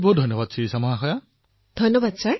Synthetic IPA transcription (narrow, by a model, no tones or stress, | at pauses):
bodʱɔnːɔbad̚sʰisamɔɦaxɔja | d̥ʱɔnːɔbad̪̚sʰa